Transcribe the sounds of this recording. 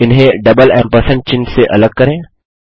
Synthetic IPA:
ɪnɦẽɖɐbəlɛ̃ːmpəɾsə̃ɳʈ̚t͡ʃɪ̃nseʔɐləɡ̚kɐɾẽː

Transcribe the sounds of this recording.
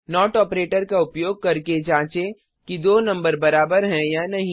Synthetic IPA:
nɔːʈɔːpɾeːʈəɾkaʊpjoːɡ̚kɐɾked͡ʒãːt͡ʃe | kid̪oːnɐ̃mbəɾbɐɾaːbəɾɦɛ̃jaːnɐɦĩ

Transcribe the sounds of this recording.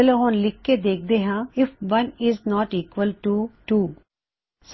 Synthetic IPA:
loɦõːnlɪkːed̪eːk̚ʰd̪eːɦãːɪfʋɐnɪznɔːʈiːkʋəlʈuʈuː | s

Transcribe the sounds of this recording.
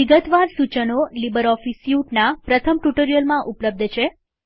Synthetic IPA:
iɡət̪ʋaɾsut͡ʃənolibəɾɔfisjuʈnapɾət̪ʰəmʈuʈəɾijəlmãʔupləb̚d̪ʱt͡ʃʰe

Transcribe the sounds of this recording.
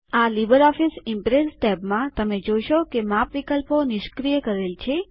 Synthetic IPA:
alibəɾɔfisɪmpɾesʈɛpmãt̪əmed͡ʒojʃokemãpʋikəlponɪʃkɾijəkəɾelt͡ʃʰe

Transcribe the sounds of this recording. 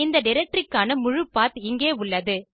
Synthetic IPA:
ɪnd̪ɐɖɪɾɛk̚ʈɾɪkːaːnɐmʊɻɯpːaːt̪ɪŋɡeːʊɭːɐðɯ

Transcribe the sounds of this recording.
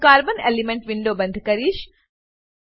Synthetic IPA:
kaːɾbɐnelimeɳʈʋiɳɖoːbɐnd̪ʱɐkɐɾiːʃ

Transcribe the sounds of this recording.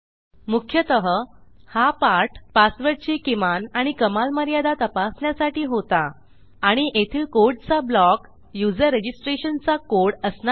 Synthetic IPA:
mukʰjət̪əɦəhapaɾʈpasʋəɾt͡ɕiːkimanaɽ̃ikəmalməɾjad̪at̪əpasnjasaʈiːɦot̪aː | ɽ̃iʔet̪ʰiːlkoɾɖ̚t͡sablɔk | jud͡zəɾːed͡ʑisʈɾeɕənt͡sakoɾɽəsna

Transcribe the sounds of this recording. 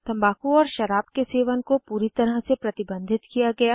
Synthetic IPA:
t̪ɐ̃mbaːkuɔːɾʃɐɾaːbkeseːʋənkopuːɾit̪ɐɾəɦsepɾɐt̪ɪbə̃nd̪ʱɪt̪kijaɡɐjaː

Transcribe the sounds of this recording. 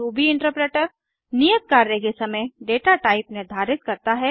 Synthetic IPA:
uːbʱiɪ̃ɳʈəɾpɾeːʈəɾ | nijət̪̚kaːɾːekesɐməjɖeːʈaʈaːɪpnɪɾd̪ʱaːɾɪt̪kɐɾt̪aɦɛː

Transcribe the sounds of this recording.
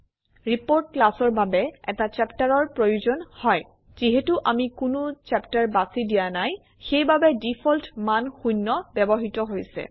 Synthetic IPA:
ɹipoɹt̚klasɔɹbabɛɛ̰tat͡ʃɛptaɹɔɹpɹojuzɔnhɔj | z̥iɦetuʔamikʊnʊt͡ʃɛptaɹbasidijanaj | xejbabɛdipʰɔltmanxunːɔbɛbɔɦitɔɦojsɛ̰

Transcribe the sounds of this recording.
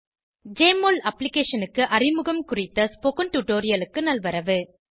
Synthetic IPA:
d͡ʒeːmoːlɐpːlɪkeːʂɐnɯkːɯʔɐrɪmɯɣɐmkʊrɪt̪ːɐspokɐnʈuʈoːɾɪjɐlɯkːɯnɐlʋɐɾɐʋɯ

